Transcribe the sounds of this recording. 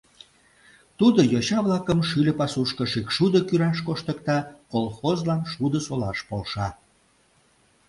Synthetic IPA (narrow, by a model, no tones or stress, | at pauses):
t̪ud̪ojoɕɑβlɑkəmʃylʲəpɑsuʃkəʃikʃud̪əkyɾɑʃkoʃt̪əkt̪ɑkolˠxozlɑnʃud̪əsolɑʃpolʃɑ